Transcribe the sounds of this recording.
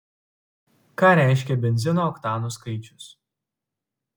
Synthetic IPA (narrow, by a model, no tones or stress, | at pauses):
kɑːɾʲæˑɪʃʲkʲɛbʲɛnʲzʲɪnoːkt̪ɑːnuːskɐɪt͡ʃʲʊ̥s